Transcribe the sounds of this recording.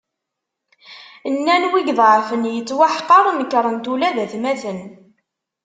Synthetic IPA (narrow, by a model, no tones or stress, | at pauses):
nːænwiɡðˤʕfənjət͡sːwaħqɑɾˤməkːɾˤənt̪ulæðæθmæθən